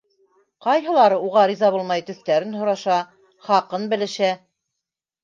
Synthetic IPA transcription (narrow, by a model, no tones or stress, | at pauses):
qɑjɦɤ̆lˠɑɾɤuʁɑɾizɑβulˠmɑjt̪ɵ̆θt̪æɾɘnɦŏɾɑʃɑ | χɑqɤnbɘ̆lɘ̆ʃæ